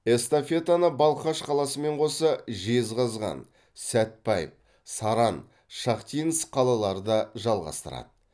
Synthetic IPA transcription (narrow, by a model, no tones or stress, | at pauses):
e̞st̪ofe̞t̪anəbɑlˠχɑʃqʰɑlˠɑsəme̞ɴqʰo̞səʒizʁɑzʁɑ̰n | sæt̪̚pɑjɪ̰f | sɑɾɑn | ʃɑqt̪ijnəsqʰɑlˠɑlˠɑɾəd̪ɑʒɑlˠʁɑ̰st̪əɾɑ̰d̪̥ə